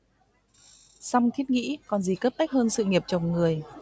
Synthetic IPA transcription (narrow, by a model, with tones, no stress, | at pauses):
sa˧wŋ͡mt̪ʰi˦˥t̚ŋḭ˧˥kɔ˨˩nzi˨˩kəː˦˥p̚t̪a˦˥k̚həː˧nsɨ̰˧˨ŋi˨˩əp̚t͡ɕə˨˩wŋ͡mŋɨ˨˩əj